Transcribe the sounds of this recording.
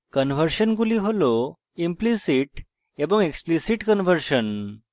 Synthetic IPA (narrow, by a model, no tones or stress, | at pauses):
kənʋəɾʃənkuliɦolo | implisiʈ | ebəŋɡeksplisiʈkənʋəɾʃən